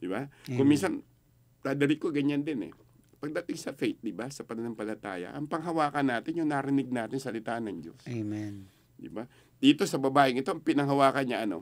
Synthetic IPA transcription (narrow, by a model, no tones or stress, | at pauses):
d̪̥ɪbakʊŋminsɐn | t̪aːd̪ɐɾikoɡɐɲand̪ɪnɛ̰ | pɐɡ̚d̪aːt̪ɪŋsɐfɛjt̪̚d̪ɪbasɐpɐnɐnɐŋpɐlɐt̪a̰ːjɐ̰ʔɐŋpɐŋɦɐwaːkɐnːaːt̪ɪnjʊŋnaɾɪnɪɡ̚naːt̪ɪŋsɐlɪt̪aːʔnɐŋd͡ʒo̞̰semɛn | d̪ɪ̰ba | d̪̥iːt̪o̞sɐbɐbaːʔɪŋɪt̪oʔɐŋpɪnɐŋɦɐwaːkɐnɲaʔɐno̞̰